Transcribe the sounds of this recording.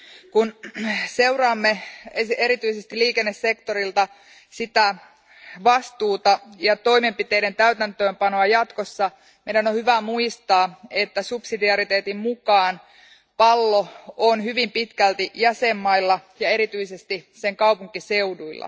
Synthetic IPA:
kunse̞urɑːmːeeeɾit̪yisest̪iliːkenːesːe̞kt̪oɾilt̪ɑ | sit̪æ | ʋɑst̪uːt̪ɑjɑt̪o̞imempit̪eident̪æyt̪ænt̪øːmpɑnoɑjɑt̪kosːɑ | mejdænohyʋæmuist̪ɑːe̞t̪ːæsupsidiɑɾit̪eːt̪immukɑːn | pɑlːoonhyʋimpit̪kælt̪ijæsemːɑilːɑjɑe̞ɾit̪yisest̪iseŋkɑupuŋkise̞uduilːɑ̰

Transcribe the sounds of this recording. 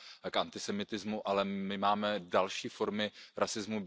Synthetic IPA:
kʔant̪ɪsɛmɪt̪ɪzmuʔalɛmɪmaːmɛdalʃiːfo̞ɾmɪɾʔasɪzmub

